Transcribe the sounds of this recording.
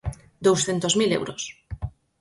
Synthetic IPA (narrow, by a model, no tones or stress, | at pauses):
d̪owsθent̪ozmilḛwɾos